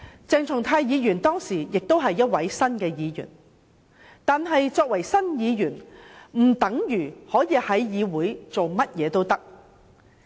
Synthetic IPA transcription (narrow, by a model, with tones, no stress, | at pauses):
t͡sɛː˨ŋt͡sʰʊ˨˩ŋt̪ʰaː˧jjiː˨˧jyː˨˩nt̪ɔː˥ŋsiː˨˩jɪ˨k̚t̪o˥wɦɐ˨jːɐ˥t̚wɐ˨˥jsɐ˥nkɛː˧jiː˨˧jy̰˨˩n | t̪aː˨nɦɐ˨jt͡sɔː˧k̚wɐ˨˩jsɐ˥njiː˨˧jyː˨˩nm̩˨˩t̪ɐ˨˥ŋjyː˨˩hɔː˨˥jiː˨˧hɐ˨˥jjiː˨˧wuː˨˥jt͡so˨wmɐ˥t̚jɛː˨˧t̪o˥wt̪ɐ˥k̚